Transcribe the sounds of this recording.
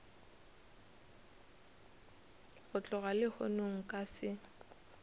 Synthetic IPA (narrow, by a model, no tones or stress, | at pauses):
ɣʊt͡ɬʼʊɣalɪhʊnoŋ̩kʼasɪ